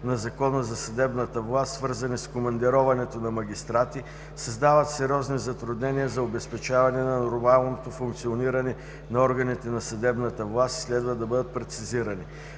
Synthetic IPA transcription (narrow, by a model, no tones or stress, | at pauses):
nɐzɐkɔnəzɐsɐd̪ɛbnət̪əvlˠast̪svɤɾzɐniskomɐnd̪iɾɔvɐnɛt̪onɐmɐɡʲist̪ɾat̪i | sɐzd̪avət̪sɛɾʲɔznizɐt̪ɾʊd̪nɛniəzɐobɛspɛt͡ʃavɐnɛnɐnoɾmalˠnot̪ofʊŋkt̪sioniɾənɛ | nɐɔɾɡɐnit̪ɛnɐsɐd̪ɛbnət̪əvlˠast̪i̥slɛd̪vəd̪ɐbɤd̪ət̪̚pɾɛt̪siziɾəni